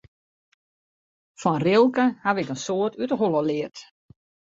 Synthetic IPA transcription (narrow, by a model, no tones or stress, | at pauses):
fɔnrɪlˠkəhaʋɪkənsoːətytəɦolˠəlɪət